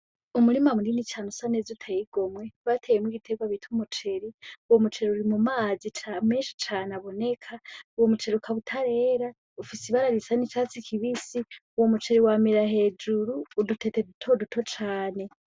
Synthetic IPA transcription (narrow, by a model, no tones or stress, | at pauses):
umuɾimamuninit͡ʃanusanezutʰajiɡ̥o̞mwe̞βatʰejemwiɡitʰeɡwaβitʰumut͡ʃe̞ɾiuwomut͡ʃe̞ɾiuɾimumaːzit͡ʃameːnʃi̥t͡ʃaːnaβo̞ne̞kʰauwomut͡ʃe̞ɾiukʰaβutʰaɾe̞ːɾa | ufisiβaɾaɾisanit͡ʃaːt͡sikʰiβisiuwo̞mut͡ʃe̞ɾiwamiɾaɦe̞ːd͡ʒuɾuːdutʰetedutʰodutʰo̞t͡ʃaːne̞